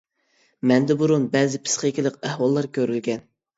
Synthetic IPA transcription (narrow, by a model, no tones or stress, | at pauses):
mɛnd̪ɛbuɾunbɛːzɪpʰɨ̥sχəkʲilˠəq̚æhwɑlˠːɑɾkʲøɾylɡʲɛn